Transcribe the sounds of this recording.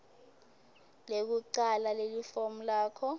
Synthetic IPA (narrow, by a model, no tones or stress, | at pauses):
lek̬uǃalalelifom̩laːkʰɔ